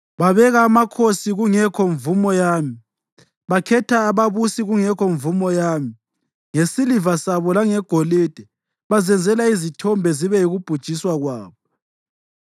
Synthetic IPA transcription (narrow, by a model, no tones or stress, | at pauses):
βaβɛɣaːmakʰosiɣuŋɛkʰɔɱvumɔjaːmi | βakʰɛtʰaːβaβusiɣuŋɛkʰɔɱvumɔjami | ŋesilivasaβɔlaŋɛɡ̥ʱoliːd̥ʱɛ | βazɛnd͡zʱɛlaizitʰɔmbʱɛziβɛjiɣub̥ʱud̥ʒ̥ʱiswaɣwaːβɔ